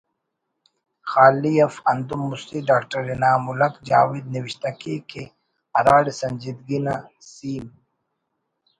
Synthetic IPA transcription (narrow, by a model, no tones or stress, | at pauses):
xaːlijɐfɐnd̪umːust̪iɖaːkʈɐɾinaːmulɐkd͡ʒa̰ːwid̪̚niwiɕt̪akeke | ɐɾaːɽesɐnd͡ʒid̪ɡina | siːm